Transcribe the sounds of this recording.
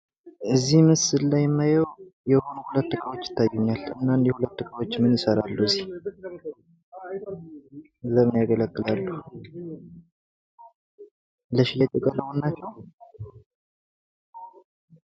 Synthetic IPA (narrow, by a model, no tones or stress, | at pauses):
ʔɨzːihmɨsɨlːajɛmːajəwjɛho̞nuhulət̪ːɨkʼʰəwo̞t͡ʃːɪ̥t̪ʰːajuɲːalɨ̰nːand̪jɛhulət̪ːɨkʰʼəwot͡ʃːmɨnɨsəɾalːuɨzːih | ləmnjaɡələkʼːɨlalːu | ləʃilətʼəkʼələwonːat͡ʃːɛw